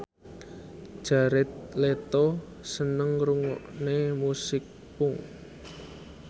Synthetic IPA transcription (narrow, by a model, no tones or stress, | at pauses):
ʒ̥a̤ɾɪt̪̚let̪o | sənəŋruŋɔ̰ʔnemusɪk̚ | pʊŋ